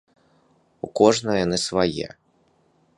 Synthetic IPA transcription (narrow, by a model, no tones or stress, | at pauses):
ukɔʐnɐjanɨsvajɛ̰